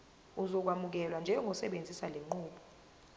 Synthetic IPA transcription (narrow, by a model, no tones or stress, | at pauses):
uzɔk̬wamuk̬ɛlwand͡ʒʱɛŋɡʱɔsɛɓend͡zʱisaleŋ͡ǃuːɓɔ̥